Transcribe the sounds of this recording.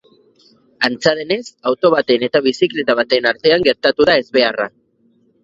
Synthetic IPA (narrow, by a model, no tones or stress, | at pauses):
ant͡saðe̞ne̞sawt̪o̞βat̪e̞ne̞t̪aβisikle̞t̪aβat̪e̞naɾt̪e̞aŋɡe̞ɾt̪at̪uðae̞zβe̞ara